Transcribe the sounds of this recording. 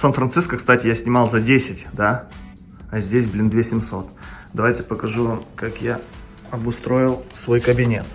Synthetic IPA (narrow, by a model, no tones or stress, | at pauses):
sanfɾɐnt̪sɨskəkst̪atʲɪjasʲnʲɪmɑlˠzɐdʲesʲɪtʲd̪a | ɐzʲdʲesʲblʲind̪vʲesʲɪmso̞t̪d̪ɐvajtʲɪ̥pəkɐʐuvamkakja | ɐbʊst̪ɾo̞jɪlˠsvo̞jkəbʲɪnʲe̞̰t̪